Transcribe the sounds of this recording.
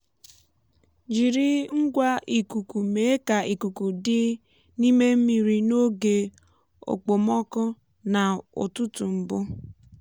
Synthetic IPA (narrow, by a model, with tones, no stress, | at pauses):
d͡ʒi˨ɾi˦ŋ̩˦ɡʷa˦ʔi˨ku˨ku˨me˨˦e˦ka˨i˨ku˨ku˨dɪ˦ | ni˦me˦m̩˦mi˨ɾi˨no˦ɡe˨ | o̰˨k͡po˨mɔ˦kʊ˦ | na˨ʊ̰˨tʊ˦tu˨m̩˨bʊ˦